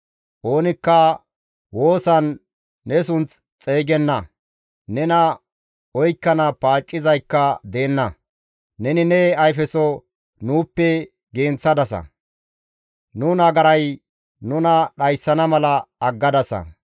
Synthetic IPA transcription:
ʔo̞ːnɪkːɐ | wo̞ːsɐnː | ɛsʊnt͡s | t͡sʼe̞ːɡɛnːɐ | nɛnɐ | ɔjkːɐnɐpaːt͡ʃʼːɪzɐjkːɐd̪eːnːɐ | nɛnɪnɛɐjfɛsɔ | nuːpːɛ | ɡeːnt͡sːɐd̪ɐsɐ̰ | nunɐɡɐɾɐj | nʊnɐɗɐjsːɐnɐmɐlɐɐɡːɐd̪ɐsɐ̰

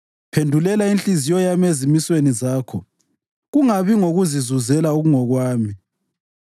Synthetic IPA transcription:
pʰendʱulɛlaint͡ɬʼizijɔjamezimiswenizaːkʰɔ | ɣuŋaβiŋoɣuzizuzɛlauɣuŋɔɣwaːmi

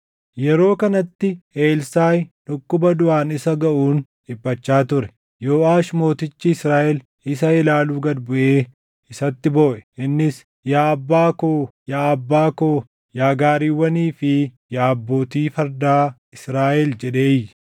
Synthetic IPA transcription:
jɛɾo̞ːkɐnɐt̪ːɪeːlsaːjᶑʊkːʊbɐd̪ʊʔaːnɪsɐɡɐʔuːn | ᶑɪbːɐt͡ʃːaːt̪ʊɾɛ̥ | joːʔaːʃmo̞ːt̪ɪt͡ʃːɪːsɾaːʔɛl | ɪsɐɪlaːluːɡɐd̪bʊʔeː | ɪsɐt̪ːɪbo̞ːʔɛ̥ʔɪnːɪs | jaːɐbːaːkoːjaːɐbːaːkoː | jaːɡaːɾiːwːɐniːfɪ | jaːɐbːo̞ːt̪iːfɐɾd̪aː | ɪsɾaːʔɛld͡ʒɛᶑe̞ːj

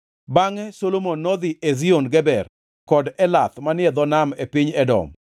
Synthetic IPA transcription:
baŋɛsolomonːɔd̪iʔezionɡɛbɛr | kɔdɛlat̪manɪɛd̪ɔnamepiɲɛdɔ̰m

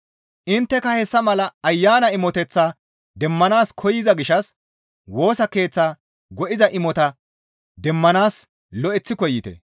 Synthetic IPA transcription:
ʔɪnt̪ːɛkɐhɛsːɐmɐlɐːjːaːnɐɪmɔt̪ɛt͡sːaː | d̪ɛmːɐnaːskʰɔjɪzɐɡɪʃɐs | wo̞ːsɐke̞ːt͡sːaː | ɡɔʔɪzɐʔɪmɔt̪ɐ | d̪ɛmːɐnaːs | lɔʔɛt͡sːɪkɔjːɪt̪ɛ̰

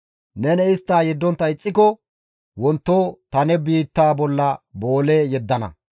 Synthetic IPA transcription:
nɛnɛɪst̪ːaːjɛd̪ːɔnt̪ːɐɪt͡sʼːɪkɔ | wɔnt̪ːoːt̪ɐnɛbiːt̪ːaːbɔlːɐbo̞ːleːjɛd̪ːɐnɐ̰

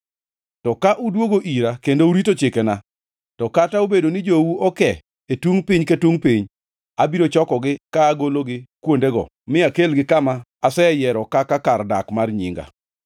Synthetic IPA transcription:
tɔkaʔudwoɡoʔiɾakendouɾitot͡ʃɪkena | tɔkataobedonɪd͡ʒowuɔkɛ | etuŋpɪɲketwuŋpiɲ | abiɾot͡ʃɔkɔɡɪkaːɡoloɡɪkwondeɡɔ̰ | mɪakelɡɪkamaːsɛjɛɾɔkakakarda̰kmarɲɪ̰ŋɡa̰

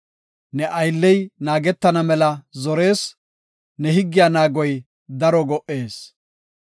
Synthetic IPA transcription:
nɛʔɐjlːɛjnaːɡɛt̪ːɐnɐmɛlɐzɔɾe̞ːs | nɛɦɪɡːɪjaːnaːɡɔj | d̪ɐɾɔɡɔʔːe̞ːs

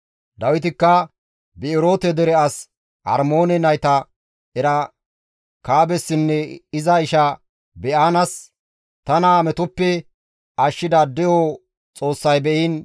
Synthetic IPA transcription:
d̪ɐwɪt̪ɪkːɐ | bɛɪɾo̞ːt̪ɛd̪ɛɾɛɐs | hɐ̰ɾmoːnɛnɐjt̪ɐ | ɛɾɐ | kaːbɛsːɪnːɛɪzɐɪʃɐ | bɛʔaːnɐs | t̪ɐnamɛt̪ʊpːɛ | ʔɐʃːɪd̪ɐd̪ɛjo | t͡sʼo̞ːsːɐjbɛʔɪn

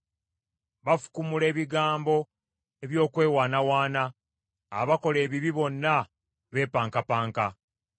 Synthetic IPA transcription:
βafu̥kumule̞ːβiɡaːmbo̞ | e̞βjo̞ːkwe̞ːwaːnawaːna̰ː | βako̞le̞ːβiβiβo̞nːa | βe̞ːpaːŋkapaːŋka

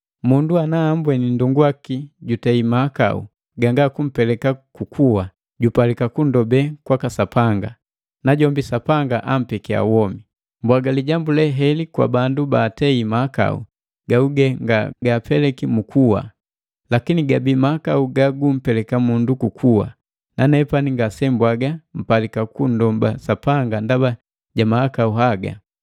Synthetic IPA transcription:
munduanaːmbwɛninduŋɡwakiɟutɛimaːka̰ṵ | ɡaŋɡakum̩pɛlɛkakukʰuwa | ɟupalikakundɔbɛkwakasapaŋɡa̰ | naɟɔmbisapaŋɡaʔam̩pɛkia̰wɔmi | mbwaɡaliɟambulɛɦɛlikwa̰bandubaːtɛimaaka̰ṵ | ɡauɡɛŋɡaɡapɛlɛkimukuwa̰ | lakiniɡabimahakauɡaɡum̩pɛlɛkamundukukʰuwa̰ | nanɛpaniŋɡasɛmbwaɡam̩palikakun̩dɔmbasapaŋɡandaba | ɟamahakauɦaɡa̰

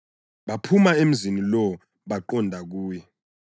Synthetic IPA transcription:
ɓapʰumaem̩zinilɔ | ɓaǃɔndʱak̬uːjɛ

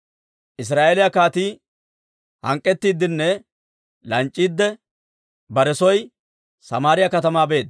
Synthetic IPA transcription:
ʔɪs̬ɾaːʔeːlɪjɐkaːt̪iː | hɐ̰ŋkʼːɛt̪ːiːd̪ɪnːɛ | lɐnt͡ʃʼːiːd̪ːɛ | bɐɾɛsɔj | sɐmaːɾɪjɐkɐt̪ɐmaːbe̞ːd̪

